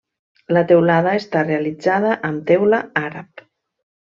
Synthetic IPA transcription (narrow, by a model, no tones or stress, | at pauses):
lət̪ewlaðəest̪arealid͡zaðəʔəmt̪ɛwləaɾap